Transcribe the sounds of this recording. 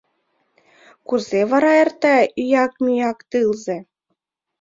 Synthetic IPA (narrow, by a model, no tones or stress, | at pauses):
kuzevɑɾɑert̪æyjɑkmʲyjɑkt̪ɯlzĕ